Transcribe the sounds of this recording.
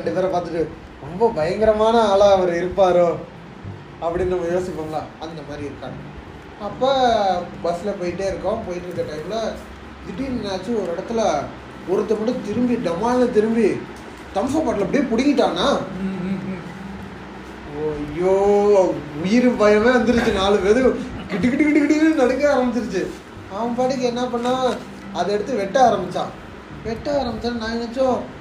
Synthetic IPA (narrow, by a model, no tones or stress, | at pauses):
ɐɳɖɯt̪ɐɾɐpaːɾt̪ɯʈːɯ | ɾɔmbɐbɐjɐŋɡɪɾɐmaːnɐaːlɐɐʋɐɾɪɾɯpːaːɾʊ̃ | ɐpːɐɽɪnːnɐmːɐjoːsɪpːaːŋɡɐlaːɐnd̪ɐmaːd̪ɾiɪɾɯkːa̰ː | ɐpːaːbɐsɪlɐpoːjɪʈːeːɪɾɯkːãpoːjɪʈːɯʈːɐʈɐɪplɐ | d̪ɪʈːinnaːt͡ʃːɯɔɾɯɪɽɐt̪ːɯlɐ | ɔɾɯt̪ːɐmɐʈːɯ̃t̪ɪɾɯmbiɖɐmaːlɐnɐt̪ɪɾɯmbi | t̪ɐmsɐpaːʈːɐlɐpːɐɽɪjeːpʊɽɪŋɪʈːaːnaː | joː | ʊjɪɾɯbɐjɐmeːʋɐnd̪ɯɾɯt͡ʃːɯnaːlɯʋeːðɯkɪʈːɯkɪʈːɯkːɪʈːɯkɪʈ̬ːɯɾɯnɐɽɐŋːaːɾɐmbɪt͡ʃːɾɯt͡ʃːɯ | ɐʋɐpaːʈɯk̬ːɯɛnːɐp̬ɐɳːaː | ɐðɛɽɯt̪ːɯʋɛʈːɐaːɾɐmbɪt͡ʃːãː | ʋɛʈːɐaːɾɐmbɪt͡ʃːaːnaːnɐt͡ʃːõ